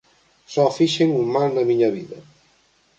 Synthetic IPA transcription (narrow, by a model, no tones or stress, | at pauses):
sɔfiʃeŋumald̪ɐmiɲɐβiðɐ